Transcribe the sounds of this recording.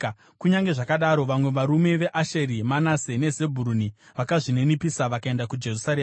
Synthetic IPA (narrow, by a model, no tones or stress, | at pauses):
kuɲaŋɡe̞ʐakaɗaɾo̞ʋamwe̞ʋaɾume̞ʋe̞ʔaʃeɾimanase̞ne̞ze̞bʱuɾuni | ʋakaʐine̞nipisaʋakae̞ndakud͡ʒe̞rusaɾeːma